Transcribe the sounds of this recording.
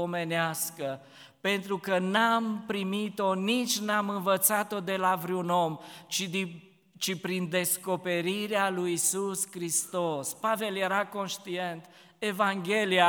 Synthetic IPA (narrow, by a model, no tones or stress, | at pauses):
ome̞neaskə | pe̞nt̪ɾukənampɾimit̪o̞nit͡ʃʲnamɨnvət̪sat̪o̞d̪e̞lavɾeuno̞mt͡ʃid̪i | t͡ʃipɾind̪e̞sko̞pe̞ɾiɾealujisuskɾist̪o̞spave̞lje̞ɾako̞nʃt̪ie̞nt̪ | e̞vaŋɡʲe̞lia